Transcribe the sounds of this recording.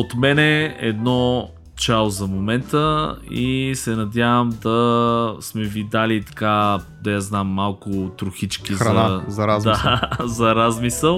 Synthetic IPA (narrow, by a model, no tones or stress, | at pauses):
ot̪mɛnɛɛd̪nɔ | t͡ʃalzɐmomɛnt̪əisɛnɐd̪ʲjavəmd̪ɐsmɛvid̪alit̪ɐ̥kad̪ɐjaznamːalˠkʊt̪ɾʊxit͡ʃkizɐɐazɐɾazd̪azɐɾazmisəlˠ